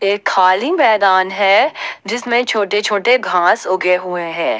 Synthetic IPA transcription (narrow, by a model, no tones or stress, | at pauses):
eːkhaːlimɛːd̪aːnɦɛːd͡ʒɪsmẽt͡ʃʰoːʈet͡ʃʰoːʈeɡʱãːsoɡeɦʊeɦɛ̃ː